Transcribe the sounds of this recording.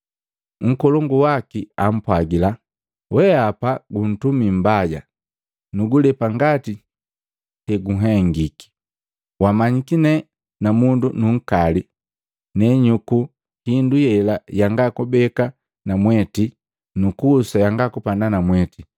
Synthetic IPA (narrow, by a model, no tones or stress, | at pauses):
ŋ̩kɔlɔŋɡuwakiam̩pwaɡila | wɛapaɡun̩tumim̩baɟa̰ | nuɡulɛpaŋɡati | hɛɡuɦɛŋɡiki̥ | wamaɲikinɛ | namundunuŋ̩kali | nɛɲuku | hindujɛlajaŋɡakubɛka | namwɛti | nukuːsajaŋɡakupandanamwɛti